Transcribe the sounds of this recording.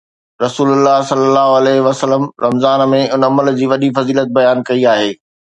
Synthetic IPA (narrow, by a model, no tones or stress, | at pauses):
ɾɐsuːlʊlːaɦsɐlːəlːaːɦoɐlɛːɦʋɐsəlːəmɾɐmzaːnmẽʊnɐməld͡ʑiːʋɐɗifɐziːlət̪̚bɐjaːnkɐiaːɦeː